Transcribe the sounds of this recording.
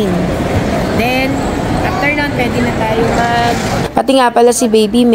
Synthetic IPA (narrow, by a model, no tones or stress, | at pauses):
n | d̪ɛn | ʔaf̚t̪ɛɹnonpwɛːd̪ɪnɐt̪aːjomɐɡ̚pɐt̪ɪŋaːpɐlɐsɪbejbim